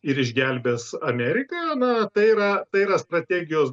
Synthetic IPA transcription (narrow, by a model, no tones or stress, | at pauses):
ɪɾɪʒʲɡʲælʲbʲɛːsɐmʲæːɾʲɪkɐjonɐt̪ɐɪiɾɐt̪ɐɪiɾɐst̪ɾɐt̪ʲæːɡʲɪjoːs